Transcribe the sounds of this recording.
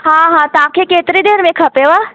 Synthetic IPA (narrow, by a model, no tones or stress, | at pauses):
ɦãɦãt̪ãkʰekeːt̪ɾid̪eːɾmẽkʰɐpeʋa